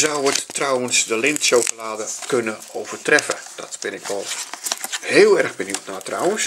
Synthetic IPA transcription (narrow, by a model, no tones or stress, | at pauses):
zawətːrawənsdəlɪntʃowkolaːdəkønəowv̥ərtrɛfəd̥ɔ̰tb̥ɪnɪkʋɔlˠ | heːlˠɛrɣbənjuwtnatra̰wəns